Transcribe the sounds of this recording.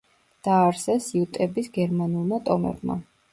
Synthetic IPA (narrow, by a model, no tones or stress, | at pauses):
d̪̥aːɾsɛsiut̪ʼɛbisɡɛɾmanulˠmat̪ʼɔmɛ̰bma̰